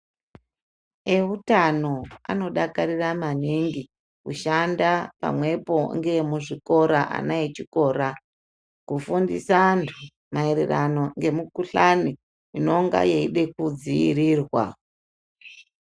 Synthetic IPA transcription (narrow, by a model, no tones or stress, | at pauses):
eutano̞a̰no̞ɗakaɾiramaniŋɡi | kuʃandapa̰mwe̞po̞ŋɡe̞muʐiko̞ɾaʔa̰nait͡ʃiko̞ːɾa | kufundḭsantʰu | maeɾerano̞ŋɡe̞mukuɬani | ino̞ŋɡa̰jeiɗe̞kud͡ziḭrirwa̰